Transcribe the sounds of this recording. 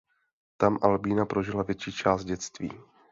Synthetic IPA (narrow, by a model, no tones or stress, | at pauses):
t̪amʔalbiːnapɾo̞ʒɪlavjɛt͡ʃiːt͡ʃaːst̪̚ɟɛt̪t͡st̪vḭː